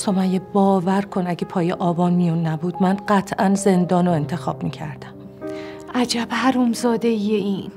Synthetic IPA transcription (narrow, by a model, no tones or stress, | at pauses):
somæjebɒːvæɾkʰonæɟepʰɒːjeʔɒːbɒːnmijunːæbuːd̪̥mænɢæt̪ʰʔænze̞nd̪ɒːnoe̞nt̪ʰe̞xɒːb̥miːcʰæ̰ɾd̪æm | ʔæd͡ʒæbhæɾuːmzɒːd̪ejeiːn